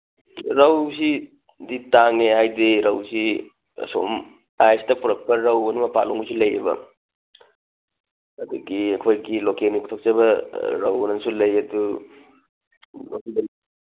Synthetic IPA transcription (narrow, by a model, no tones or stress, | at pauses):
ɾawsi | ditaŋneɦajdeɾawsḭ | so̰m | ajstɐpuɾɐk̚pɐɾɐwɐnumɐpaloŋusilɐjɐ̰bɐ̰ | ɐdṵɡiɐkʰojɡilokenikutʰok̚t͡ʃɐβɐɾa̰wnɐnsulɐjɐdu | lokibɐn